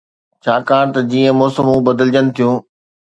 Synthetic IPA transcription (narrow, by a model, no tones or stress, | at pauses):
t͡ɕʰaːkaːɽ̃t̪ɐd͡ʑiːə̃mɔːsəmũbɐd̪əld͡ʑənɪ̆t̪ʰijũː